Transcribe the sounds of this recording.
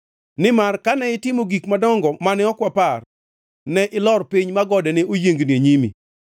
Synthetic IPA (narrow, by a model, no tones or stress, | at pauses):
nɪmarkanɛɪtɪmoɡikmadɔŋɡɔmanɪɔkwapar | nɛʔɪlɔrpiɲmaɡɔdɛnɪʔojeŋɡneɲimḭ